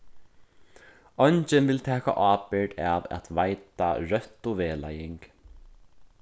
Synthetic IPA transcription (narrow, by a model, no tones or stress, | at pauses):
ɔnt͡ʃɪnvɪlt̪ʰɛːka̰ʔɑːpɪɹd̪a̰va̰t̪ʰvajt̪a̰ɹœht̪uveːlajɪŋk